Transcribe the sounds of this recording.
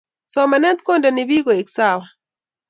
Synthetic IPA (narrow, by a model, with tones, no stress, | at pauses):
sɔ˦ma˨nɛ˦t̪ko˦ndɛ˨nɪ˨bi˦ɡo˨e˨ksa˦˨wɔ˨